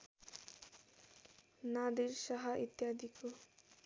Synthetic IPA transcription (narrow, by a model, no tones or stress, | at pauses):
nad̪iɾsʌɦʌʔit̪jad̪ʱiko